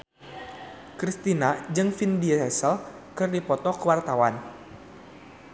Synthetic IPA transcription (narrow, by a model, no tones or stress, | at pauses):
kɾist̪inad͡ʒɨŋfindiɛsəl | kɨrdipɔt̪ɔkəwart̪awan